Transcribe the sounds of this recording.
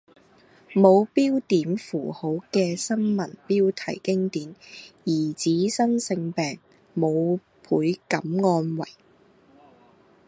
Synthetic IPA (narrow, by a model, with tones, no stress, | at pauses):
mo˨˧wpiː˥wt̪iː˨˥mfuː˨˩ho˨˥wkɛː˧sɐ˥nmɐ˨˩npiː˥wt̪ʰɐ̰˨˩jkɪ˥ŋt̪iː˨˥njiː˨˩t͡siː˨˥sɐ˥nsɪ˧ŋpɛː˨ŋ | mo˨˧w | pʰuː˨˥jkɐ˨˥mŋɔː˧nwɐ̰˨˩j